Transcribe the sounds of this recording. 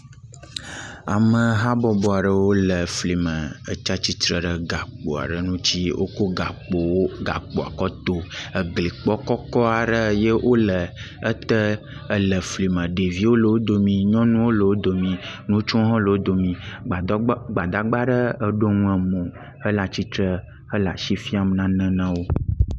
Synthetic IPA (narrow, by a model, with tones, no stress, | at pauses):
a̰˨mə̃˨ɦa˦bɔ˨bɔ˨a˨ɖə˦wo˦lə˨fli˨mə̃˨ə̰˨t͡ʃa˦t͡ɕi˦t̪ɾə˨ɖə˨ɡa˨k͡po̰˨a̰˨ɖə˨nũ˦t͡ɕi˦wʔo̰˦ko˦ɡa˨k͡po˨wo˦ɡa̰˨k͡po˨a̰˨kɔ˦t̪o˦ə˨ɡli˨k͡pɔ˦kɔ˦kɔ˦a˨ɖə˦je˦wʔo˦lə˨ | ə˦t̪ə˦ | ə˦lə˨fli˨mə̃˨ɖe˨vi˦wo˦lə˨wo˦d̪o˨mĩ˨ɲɔ̃˦nũ˦wo˦lə˨wo˦d̪o˨mĩ˨nũ˦t͡ʃu˦ɦɔ̃˦lə˨wo˦d̪o˨mĩ˨ | ɡ͡ba˨d̪a˨ɡ͡ba˦ɖə˦ə˦ɖo˦ŋũ˦ɛ˨mõ˨ | ə˦la˨t͡ɕi˦t̪ɾə˦ | ə˦la̰˨ʃi˦fi˦a˨m˨nã˦nə̃˦nã˦wo˦